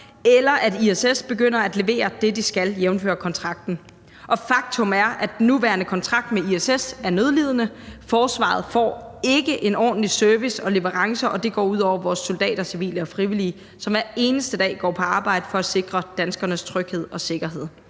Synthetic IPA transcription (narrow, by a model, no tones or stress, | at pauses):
elɐʔæd̥iesesb̥e̝ɡ̥øn̰ɐæd̥le̝ʋe̝̰ːɐd̥e̝d̥isɡ̥æljeʊn̩fø̰ːɐkʰɒ̽nt͡sʰʁɑ̈ɡ̥d̥n̩ | ʔɒ̽fɑ̈ɡ̥̚t͡sʰɔ̽mæɐæ̥enːuʋæɐnəkʰɒ̽nt͡sʰʁɑ̈ɡ̥̚d̥meiesesæɐnøðˠliːð̞ˠənəfɒːsʋɑ̰̈ð̞̩ˠfɒ̰ːe̝ɡ̥əʔe̝nɒ̰ːd̥n̩lisøɐʋisɒ̽le̝ʋəʁɑ̈ŋsɐʔɒ̽d̥e̝ɡ̥ɒ̰ːuð̰ˠɒʊ̰ɐʋɒːsːold̥ɛ̰ːɾ̥ɐsiʋḭːləɒ̽fʁiʋiliː | sɒ̽mʋæɐe̝ːnəsd̥əd̥ɛ̰ːɡ̥ɒ̰ːpʰɒ̽ɑ̈ːb̥ɑ̈ɪ̰d̥əfɒ̽æ̥se̝ɡ̥ʁɐd̥ænsɡ̥ɐnəst͡sʰʁœɡ̥he̝ð̰ˠɒ̽se̝ɡ̥ɐɦe̝ð̞̰ˠ